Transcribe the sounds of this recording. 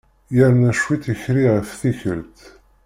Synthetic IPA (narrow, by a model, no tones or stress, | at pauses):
jəɾnæʃwiθəçɾiʁəfθiçə̰ɾt̪